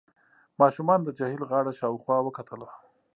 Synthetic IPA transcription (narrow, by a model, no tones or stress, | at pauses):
mɑʃumɑnd̪əd͡ʒahilɣɑɽaʃɑwxwɑwəkat̪ʰəla